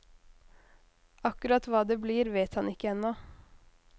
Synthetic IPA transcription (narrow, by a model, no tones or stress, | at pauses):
ɑkʉɾɑt̪ʋɑːd̪ebliːɾʋeːt̪hɑnɪkːəɛnːɔ